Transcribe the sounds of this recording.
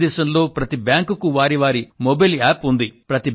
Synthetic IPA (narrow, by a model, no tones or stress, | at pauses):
d̪ɛːsɐmlo̞ːpɾɐt̪ibjaːŋkukuʋaːɾiʋaːɾimobɐjlaːpund̪ipɾɐt̪i